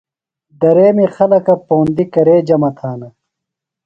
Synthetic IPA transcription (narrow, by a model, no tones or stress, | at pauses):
d̪ɐɾeːmixɐlɐkɐpoːnd̪ikɐɾeːd͡ʑɐmɐt̪ʰaːnɐ